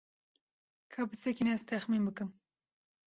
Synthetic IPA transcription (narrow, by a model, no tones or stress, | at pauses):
kʰabɨsɛkinɛzt̪ʰɛxmiːnbɨkɨm